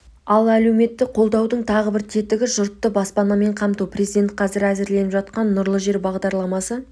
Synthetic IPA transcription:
ɑlˠælewme̞t̪ːɪqʰo̞lˠd̪ɑwd̪əɴt̪ʰɑʁəbɪɾt̪ʰe̞t̪ɪɡʲɪʒʊɾt̪ːəbɑspɑnɑme̞ɴqʰɑmt̪uprʲezid̪ʲe̞nt̪̚qʰɑzɪɾæzɪɾle̞nɪpʒɑt̪qɑnːʊɾlˠəʒe̞ɾbɑʁd̪ɑɾlˠɑmɑsə

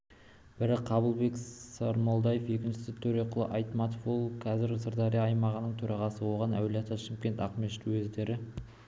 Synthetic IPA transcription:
b̥ɪɾɪqʰːɑβəlˠbe̞ksɑɾmolˠd̪ɑjefje̞kʲɪnʃɪ̥sɪt̪ʰɵɾe̞qʰʊlˠə̰ʔɑjt̪mɑt̪ofolˠqʰɑzɪɾsəɾd̪ɑɾijɑːjmɑʁənəɴt̪ʰɵɾɑʁɑsəwo̞ʁɑnæwelɑt̪ʰɑʃɪmkʲe̞nt̪ɑqmeʃt̪wɵzd̪e̞ɾɪ

